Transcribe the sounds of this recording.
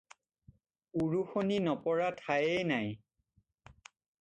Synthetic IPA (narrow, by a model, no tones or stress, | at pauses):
uɹuxoninɔpɔɹatʰajɛnaj